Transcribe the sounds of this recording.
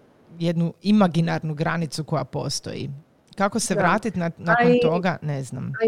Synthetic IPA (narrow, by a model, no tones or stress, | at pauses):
jed̪nuimaɡinaɾnuɡɾanit̪suko̞japo̞̰st̪o̞̰jḭ | kakoseʋɾaːt̪it̪nanakont̪o̞ɡanezna̰m